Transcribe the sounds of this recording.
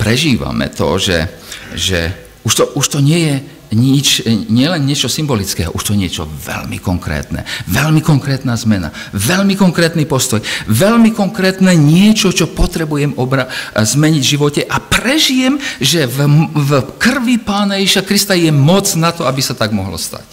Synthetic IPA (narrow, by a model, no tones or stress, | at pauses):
pɾɛʒiːʋa̰mɛ̰t̪ɔ̰ʒɛ̰ | ʒɛ̰ | uʃt̪ɔʔuʃt̪ɔɲɪɛjɛ | ɲit͡ʃɲɪɛlɛnːɪɛt͡ʃɔsimbɔlit͡skɛ̰ːɦɔ̰ʔuʃt̪ɔɲɪɛt͡ʃɔ̰ʋɛ̰lmḭkɔŋkɾɛ̰ːt̪nɛ̰ʋɛʎmikɔŋkɾɛːt̪naːzmɛna̰ | ʋɛlmikɔŋkɾɛːt̪nipɔst̪ɔjʋɛʎmikɔŋkɾɛːt̪nɛːɲɪɛt͡ʃɔt͡ʃɔpɔt̪ɾɛbujɛmɔbɾazmɛɲiɟvʒiʋɔcɛʔapɾɛʒijɛmʒɛv | kr̩ʋipaːnajɛʒiʃakɾist̪ajɛmɔt͡snat̪ɔabisat̪aɡmɔɦlɔ̰st̪a̰c